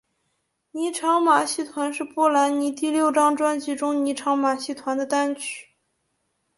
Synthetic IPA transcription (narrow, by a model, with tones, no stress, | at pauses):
ni˧˥ʈ͡ʂʰɑ˧˥ŋma˨˩ɕi˥˩t̪ʰwa˧˥nʂɻ̩˥˧pɔ˥˩la˧˥nni˧˥t̪i˥˧ljo˥˩ʊʈ͡ʂɑ˥ŋʈ͡ʂwa˥nt͡ɕi˥˩ʈ͡ʂʊ˥ŋni˧˥ʈ͡ʂʰɑ˧˥ŋma˨˩ɕi˥˩t̪ʰwa˧˥nd̪ə˧t̪a˥nt͡ɕʰy̥˥